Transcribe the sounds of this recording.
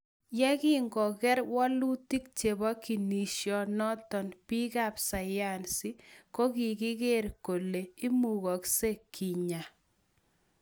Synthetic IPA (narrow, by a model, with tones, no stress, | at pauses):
jɛ˦kɪ˦ŋɡɔ˨kɛ˦ɾwɔ˦lu˦ti˦k̚t͡ʃe˨bɔ˦ki˨ni˨ʃjɔ˨nɔ˦tɔ˨npi˦ka˦˨psa˨ja˦˨nsi˦ko˦ki˨ɡɪ˦ɡe˦ɾko˨le˨i˦mu˨ɣɔ˨kse˦kʰi˨ɲa˨